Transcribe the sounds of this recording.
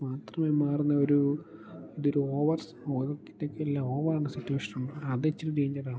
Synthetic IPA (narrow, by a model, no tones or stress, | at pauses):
maːt̪rɐmeːmaːrunːɐoɾu | iðoɾuoːʋɐrs | oːɣɐkːi̥tːekːɨelːaoːʋɐraːɳɨsitːuweːʂɐnuɳɖɨɐðet͡ɕːɐɾuɾeːɲd͡ʑɐraː